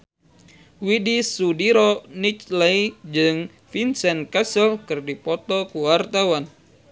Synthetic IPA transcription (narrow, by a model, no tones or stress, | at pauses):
widisudiɾɔnit͡ʃlɛid͡ʒɨŋ | finsɛnkasəlkɨrdipɔt̪ɔkuwart̪awan